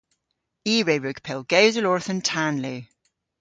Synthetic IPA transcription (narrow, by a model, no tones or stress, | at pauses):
iːɹeːɹʉɡ̥pʰɪlˠɡ̥eːzəlɔːɹθə̃ntʰanliː